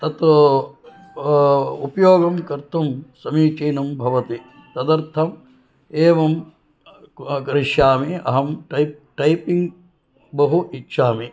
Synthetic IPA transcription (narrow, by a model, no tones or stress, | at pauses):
t̪ɐt̪ | upɐjoːɡɐmkɐɾt̪umsɐmiːt͡ʃeːnɐmbʱɐʋɐt̪i | t̪ɐd̪ɐɾt̪ʰɐm | eːʋɐm | kɐɾiʂjaːmiɐ̰ɦɐmʈɐp̚ʈɐjpiŋɡ | bɐɦuʔitːʃʰaːmi